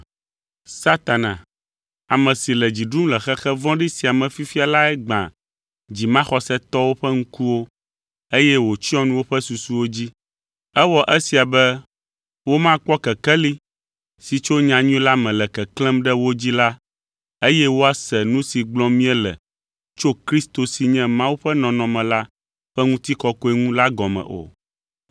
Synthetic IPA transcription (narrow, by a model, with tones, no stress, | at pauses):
sa˦t̪a˨nã̰˨ | a˨mɛ̃˨si˨lɛ˨d͡ʑi˨ɖu˦mlɛ˨xɛ˦xɛ˦vɔ̃˦ɖi˦si˨a˨mɛ̃˨fi˦fi˦a˨la˦ɛ˦ɡ͡bã̰˨ | d͡ʑi˨mã˦xɔ˦sɛ˦t̪ɔ˦wo˦ɸɛ˦ŋ̩˦ku˦wo˦ | e˦jɛ˦wo˨t͡ɕi˦ɔ̃˦nũ˦wo˦ɸɛ˦su˨su˦wo˦d͡ʑi˦ | ɛ˦wɔ˦ʔɛ˦si˨a˨bɛ˦ | wo˦mã˦k͡pɔ˦kɛ˨kɛ˦li˦ | si˨t͡ʃo˦ɲã˨ɲũ˦la˦mɛ̃˨lɛ˨kɛ˨klɛ̃˦mɖɛ˦wo˦d͡ʑi˦la˦ | e˦jɛ˦wo˦a˦sɛ˨nũ˦si˨ɡ͡blɔ̃˦mĩ˦ɛ˦lɛ̰˨ | t͡ʃo˦kɾi˦st̪o˨si˨ɲɛ̃˦mã˦wu˦ɸɛ˦nɔ̃˨nɔ̃˨mɛ̃˨la˦ | ɸɛ˦ŋũ˦t̪i˦kɔ˦kɔ˦e˦ŋũ˦la˦ɡɔ˨mɛ̰̃˨ʔo̰˨